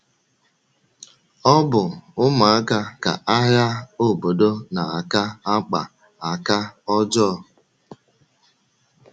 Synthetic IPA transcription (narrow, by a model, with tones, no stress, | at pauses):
ɔ˦bʊ˨ʊ˦ma˨a˦ka˦ka̰˨ʔa˦ɦja˦o˦˨bo˨do˦na˨a˨ka˦a˦k͡pa̰˨ | a˨ka˦ɔ˦d͡ʒɔː˦˨